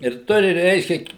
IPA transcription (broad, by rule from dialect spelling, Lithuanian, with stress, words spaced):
ɪr ˈtʊrʲɪ ˈrʲɛɪʃʲkʲɛ